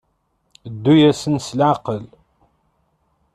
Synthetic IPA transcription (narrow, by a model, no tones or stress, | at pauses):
d̪ːujæsənslʕqəl